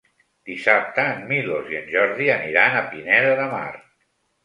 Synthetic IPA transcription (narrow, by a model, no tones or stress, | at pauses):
d̪̥isap̚t̪əːmmiloziənʲʒɔɾðiəniɾanəpinɛðəðəma̰rt̪